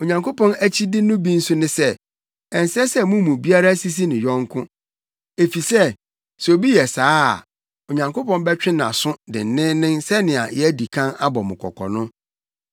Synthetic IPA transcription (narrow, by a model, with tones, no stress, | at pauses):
o˨ɲã˨ŋko˦pɔ̃˦næ˦t͡ɕʰi˦dɪ˦nʊ̃˦bĩ˦n̩˦sʊ˦nɪ̃˦sɛ˦ | ɛ˨n˨sɛ˦sɛ˦mũ˦mũ˨bi˦a˦ɾa˦si˦s̬i˦nɪ̃˨jɔ̃˦ŋ˦kʰʊ̃˦ | e˨fi˨sɛ˦ | sɛ˨o˨bi˦jɛ˨sa̰ː˨˦˨ | o˨ɲã˨ŋko˦pɔ̃˦nbɛ˦t͡ɕᶣɪ̃˦ñ˨a̰˨sʊ̃˦dɪ̰˨n̩˨˦nɪ̃˦nɪ̃˦nsɛ˦nɪ̃˨a̰˨jɛ˦di˨kʰã˦na˦bɔ˨mʊ̰̃˨kʰɔ̰˨kʰɔ̰˨nʊ̃˦